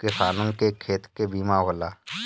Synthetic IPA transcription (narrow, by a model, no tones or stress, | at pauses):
kɪsaːnõŋkekʰeːt̪kebiːmaɦoːlaː